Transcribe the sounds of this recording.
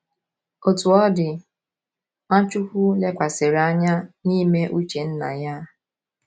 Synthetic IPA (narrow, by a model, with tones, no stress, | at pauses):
o˨tu˨ɔ˦dɪ˨ | a˦t͡ʃʊ˦kʊ˦le˦kʷa˨sɪ˨ɾa˦ɲa˦niː˦me˦ʔu˦t͡ʃe˨n̩˦na̰˨ja˦